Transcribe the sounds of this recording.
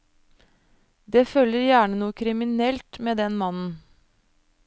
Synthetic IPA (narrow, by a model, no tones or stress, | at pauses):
d̪eːføləɾjæːɳənuːəkʰɾɪmɪnɛlt̪meːd̪ɛnmɑnn̩